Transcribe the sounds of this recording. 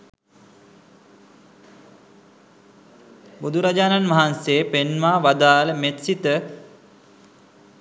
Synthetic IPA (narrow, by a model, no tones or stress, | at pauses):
bud̪ʱuɾad͡ʒaːnanʋaɦanseːpenmaːʋad̪aːləmet̪sit̪ə